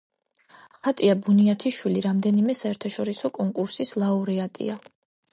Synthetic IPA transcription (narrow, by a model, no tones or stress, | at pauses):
χat̪ʼiabuniat̪ʰiʃwiliɾamd̪ɛnimɛsaɛɾt̪ʰaʃɔɾisɔkʼɔŋkʼuɾsislˠauɾɛat̪ʼḭa